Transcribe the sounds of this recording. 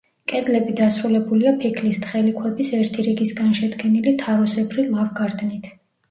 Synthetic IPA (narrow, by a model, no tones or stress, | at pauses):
kʼɛd̪lɛbid̪asɾulɛbuliapʰikʰlist̪ʰχɛlikʰwɛbisɛɾt̪ʰiɾiɡisɡanʃɛd̪ɡɛnilit̪ʰaɾɔsɛbɾilˠavɡaɾd̪nit̪ʰ